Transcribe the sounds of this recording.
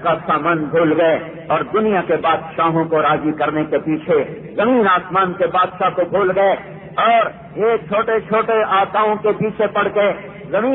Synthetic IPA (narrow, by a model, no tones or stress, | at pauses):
kasaːmaːnbʱoːlɡɐe | ɔːɾd̪ʊnijakebaːd̪ʃaːɦõkoɾaːzikɐɾnekepiːt͡ʃʰe | zɐmiːnaːsmaːnkebaːd̪ʃakobʱoːlɡɐe | ɔːɾ | eːk̚t͡ʃʰoːʈet͡ʃʰoːʈeaːt̪aːõkepiːt͡ʃʰepɐɽ̤ke | zɐmiː